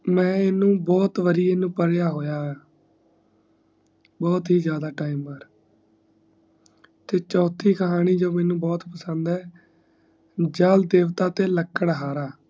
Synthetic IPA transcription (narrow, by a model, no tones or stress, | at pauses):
mɛ̃ːɪnũːbɔːt̪ʋəɾijenũːpəɾjaːɦoːjaːaː | bɔːt̪ɦiːzjaːd̪aːʈaːiməɾ | t̪eːt͡ʃɔːt̪ʰiːkəɦaːniːd͡ʒoːmɛ̃ːnũːbɔːt̪pəsənd̪ɛː | d͡ʒaːld̪eːʋt̪aːt̪eːləkːəɽɦaːɾaː